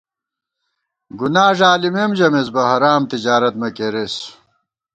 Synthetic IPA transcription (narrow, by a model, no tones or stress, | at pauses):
ɡunaːʐaːlimemʑɐmesbɐɦɐɾaːmt̪id͡ʑaːɾɐt̪̚mɐkeɾes